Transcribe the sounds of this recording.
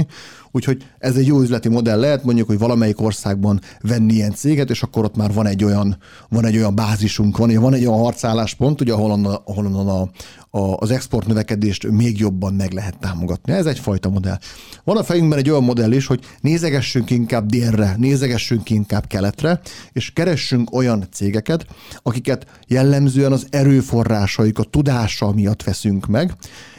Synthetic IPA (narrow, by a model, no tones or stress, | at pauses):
uːcho̞ɟ | ɛzɛɟːjoːyzlɛt̪imo̞d̪ɛlːɛɦɛt̪mo̞ɲɟukhoɟvɒlɒmɛjiko̞rsaːɡ̚bɒnvɛnːiijɛnt̪seːɡɛt̪eːʃɒkːo̞ɾo̞t̪maːrvɒnɛɟːo̞jɒn | vɒnɛɟːo̞jɒmbaːziʃuŋkʋɒnuɟɛvɒnɛɟojɒnɦɒrt̪saːlːaːʃpo̞nt̪uɟɛɒɦolond̪ɒɦolond̪onɒ | zɛkspo̞rt̪nøvɛkɛd̪eːʃt̪meːɡjo̞bːɒmmɛɡlɛɦɛt̪ːaːmo̞ɡɒt̪niɛzɛcfɒjt̪ɒmo̞d̪ɛ̰lʋɒnɒfɛjyŋɡbɛnɛɟːo̞jɒmːo̞d̪ɛlːiʃho̞ɟ | neːzɛɡɛʃːyŋkiŋkaːb̚d̪eːrːɛneːzɛɡɛʃːyŋkiiŋkaːbkɛlɛt̪rɛeːʃkɛɾɛʃːyŋko̞jɒnt̪seːɡɛkɛt̪ɒkikɛt̪ | jɛlːɛmzøːɛnɒzɛɾøːfo̞rːaːʃɒjikɒt̪ud̪aːʃɒmijɒt̪ːʋɛsyŋkmɛɡ